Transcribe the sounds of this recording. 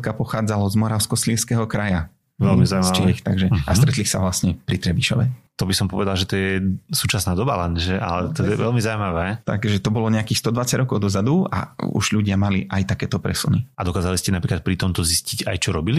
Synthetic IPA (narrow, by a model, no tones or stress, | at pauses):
kapɔxaːd͡zalɔzmɔɾaʊskɔsliːɾskɛɦɔkɾaja | ʋɛlmizat͡ʃiixt̪aɡʒɛast̪ɾɛt̪lixsaʋlasɲɛpɾit̪ɾɛbiʃɔ̰ʋɛt̪ɔbisɔmpɔʋɛd̪alʒɛt̪ɔjɛsuːt͡ʃasnaːd̪ɔbalɛnʒɛʔa̰lɛt̪ɔjɛʋɛlmizaumaʋɛt̪a̰ɡʒɛt̪ɔbɔlɔɲɛakiːxst̪ɔd̪ʋat͡saɟɾɔkɔʊd̪ɔzad̪ua̰ṵʒʎuɟɪamalḭʔajt̪akɛːt̪ɔpɾɛsuniad̪ɔkaːzaliscɛnapɾiːklat̪̚pɾit̪ɔmt̪ɔziscica̰jt͡ʃɔɾɔbili